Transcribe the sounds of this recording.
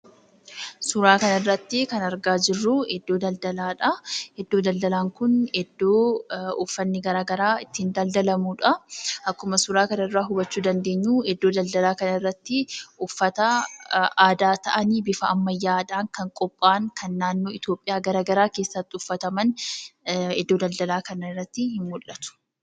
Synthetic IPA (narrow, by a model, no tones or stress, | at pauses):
sʊɾaːkɐnɐrːɐt̪ːɪkɐnɐɾɡaːd͡ʒɪrːʊhɛd̪ːo̞ːd̪ɐld̪ɐlaːᶑɐhɛd̪ːo̞ːd̪ɐld̪ɐlaːŋkʊnhɛd̪ːo̞ːʊfːɐnːɪɡɐɾaːɡɐɾaːɪt̪ːɪnd̪ɐld̪ɐlɐmuːᶑɐʔɐkːʊmɐsʊɾaːkɐnɐrːaːɦʊbɐt͡ʃːuːd̪ɐnd̪e̞ːɲːuːhɛd̪ːo̞ːd̪ɐld̪ɐlaːkɐnɐɪrːɐt̪ːɪʊfːɐt̪ɐ | aːd̪aːt̪ɐʔɐniːbɪfɐɐmːɐjːaːᶑ̪aːŋkɐŋkʼɔpʼːaːŋkʰɐnːaːnːo̞ːɪt̪jo̞ːpʼːɪjaːɡɐɾaːɡɐɾaːke̞ːsːɐt̪ːɪʊfːɐt̪ɐmɐn | ɛd̪ːo̞ːd̪ɐld̪ɐlaːkɐnɐrːɐt̪ːɪhɪnmʊlːɐt̪ʊ̥